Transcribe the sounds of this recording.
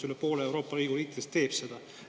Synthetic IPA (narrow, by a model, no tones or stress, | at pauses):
ylepo̞ːlee̞wɾo̞ːpːˑɑɾiːɡ̥uliːkt̪ːid̪̥est̪e̞ːb̥se̞d̪̥ɑ